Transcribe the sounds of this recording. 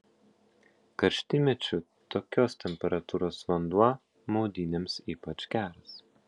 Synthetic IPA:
kɐɾʲʃʲt̪ʲɪmʲɛt͡ʃʲʊ | t̪oːkʲoːst̪ʲɛmʲpʲɛɾɐt̪uːɾoːsʋɐnd̪uɔ | mɔʊd̪ʲiːnʲeːmsiːpɐt͡ʃkʲæːɾɐs

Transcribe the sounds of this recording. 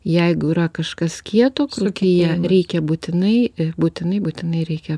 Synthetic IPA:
jɛɪɡʊiɾɐkɐʃkɐskʲiɛt̪oːkɾʊkʲɪjɛɾʲɛɪkʲɛbuːt̪ʲɪnɐɪbuːt̪ʲɪnɐɪbuːt̪ʲɪnɐɪɾʲɛɪkʲɛ

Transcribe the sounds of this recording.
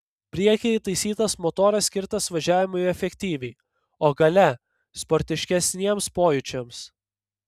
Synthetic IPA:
pʲɾʲiɛkʲɪt̪ɐɪsʲiːt̪ɐsmɔt̪oːɾɐsʲkʲɪɾt̪ɐsʋɐʒʲæːʋʲɪmʊjɛfʲɛkʲt̪ʲiːʋʲɛɪ | oːɡɐlʲɛ | spɔɾʲt̪ʲɪʃʲkʲɛsʲnʲiɛmspoːjʊt͡ʃʲɛms

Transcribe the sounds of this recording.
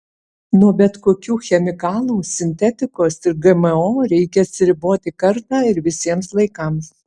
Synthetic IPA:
nuɔbʲɛt̪koːkʲuːxʲɛmʲɪkɑːlˠuːsʲɪnʲt̪ʲɛt̪ʲɪkoːsɪɾɡɛmɛoːɾʲɛɪkʲɛɐt̪ʲsʲɪɾʲɪboːt̪ʲɪkɐɾt̪ɑːɪɾʋʲɪsʲiɛmslˠɐɪkɐms

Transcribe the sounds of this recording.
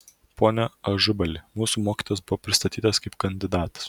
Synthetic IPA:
pʰoːnʲɛɐʒʊbɐlʲɪmuːsuːmoːkʲi̥ːˑt̪oːjɛsbʊʋɔpʲɾʲɪst̪ɐt̪ʲiːt̪ɐskɐɪpkɐnʲd̪ʲɪd̪ɑːt̪ɐ̥s

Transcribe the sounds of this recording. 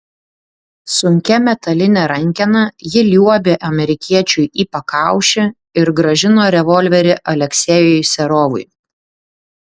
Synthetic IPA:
sʊŋʲkʲɛmʲɛt̪ɐlʲɪnʲɛɾɐŋʲkʲɛnɐjɪlʲuɔbʲeːʔɐmʲɛɾʲɪkʲiɛt͡ʃʲʊjiːpɐkɑˑʊʃʲɪ | ɪɾɡɾɐʒʲɪnoːɾʲɛʋɔlʲʋʲɛɾʲɪʔɐlʲɛksʲɛjojsʲɛɾoːʋʊɪ

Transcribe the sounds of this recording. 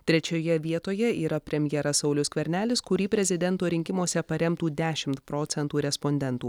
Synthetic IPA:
t̪ʲɾʲɛt͡ʃʲoːjɛʋʲiɛt̪oːjɛiːɾɐpʲɾʲɛmʲjɛɾɐsɐʊlʲʊskʋʲɛɾʲnʲæːlʲɪskʊɾʲiːpʲɾʲɛzʲɪd̪ʲɛnˑt̪oːɾʲɪŋʲkʲɪmoɔsʲɛpɐɾʲɛmt̪uːd̪ʲæːʃʲɪmt̪pɾoːt̪sʲɛnt̪uːɾʲɛspɔnʲd̪ʲɛnt̪uː

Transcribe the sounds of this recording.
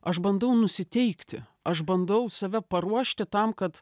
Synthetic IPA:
ɐʃbɐnd̪ɐʊnʊsʲɪt̪ʲɛɪkt̪ʲɪ | ɐʃbɐnd̪ɐʊsɐʋʲɛpɐɾuɔʃʲt̪ʲɪt̪ɐmkɐt̪

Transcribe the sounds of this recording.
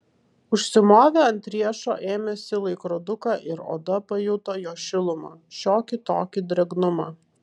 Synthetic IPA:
ʊʃʲsʲɪmoːʋʲɛɐnʲt̪ʲɾʲiɛʃo̰ːʔeːmʲɛsʲɪlˠɐɪkɾɔːd̪ʊkɑːʔɪɾo̰ːd̪ɐpɐjʊt̪ojoːʃʲɪlˠʊma̰ʃʲoːkʲɪt̪oːkʲɪd̪ʲɾʲɛɡnʊmɑː

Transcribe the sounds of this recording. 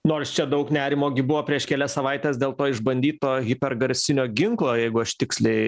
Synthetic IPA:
noːrst͡ʃʲɛd̪ɐʊknʲæːɾʲɪmoːɡʲɪbʊʋoːpʲɾʲiɛʃkʲɛlʲɛssɐʋɐɪt̪ʲeːsd̪ʲeːlˠt̪oːɪʒbɐnʲd̪ʲiːt̪oːɣʲɪpʲɛɾɡɐɾʲsʲɪnʲoːɡʲɪŋklˠoːjɛɪɡʊɐʃt̪ʲɪksʲlʲɛɪ

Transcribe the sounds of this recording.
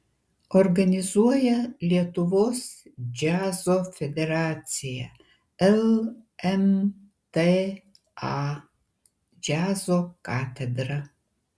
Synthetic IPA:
orɡanʲizuɔjɐlʲjiɛt̪ʰuvosd͡ʒazofed̪eɾat͡sija | ɛlɛm | t̪e | a | d͡ʒazokat̪ʰed̪ra

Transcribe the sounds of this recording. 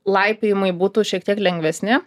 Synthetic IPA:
lˠɐɪpʲɪjɪmɐɪbuːt̪uːʃʲiɛk̚t̪ʲiɛklʲɛŋʲɡʲʋʲɛsʲnʲɪ

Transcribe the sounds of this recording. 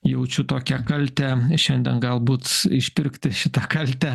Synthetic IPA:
jɛʊt͡ʃʲʊt̪oːkʲɛkɐlʲt̪ʲɛʃʲɛnʲd̪ʲɛnɡɐlˠbuːt̪ɪʃʲpʲɪɾʲkt̪ʲɪʃʲɪt̪ɐkɐlʲt̪ʲɛ

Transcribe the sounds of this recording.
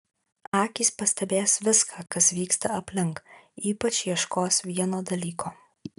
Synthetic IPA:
ɑːkʲiːspɐsʲt̪ʲɛbʲeːsʋʲɪskʰaːkɐsʋʲiːkst̪ɐɐpʲlʲɪŋkiːpɐt͡ʃʲjiɛʃkoːsʋʲiɛnoːd̪ɐlʲiːkʰoː

